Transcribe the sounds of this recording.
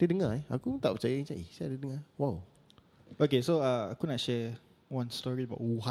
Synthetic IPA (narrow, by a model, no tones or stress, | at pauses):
d̥ədəŋaakut̪aʔpət͡ʃajaĩt͡ʃaʔisɛdədəŋawaw | okesoaakunatʃɛ | wãnstɔɹiəbaʊʔuɦa